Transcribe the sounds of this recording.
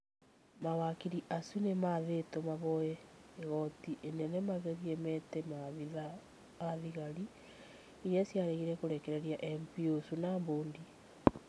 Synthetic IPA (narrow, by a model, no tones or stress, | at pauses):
mawakiɾiʔasunemaðetomaβɔjɛeɣɔtiʔenɛnɛmaɣɛɾiɛmɛtɛmaðiðaː | ðiɣaɾi | ejasjaɾeɣiɾɛkoɾekeɾeɾiaʔɛmpiosunamboːndi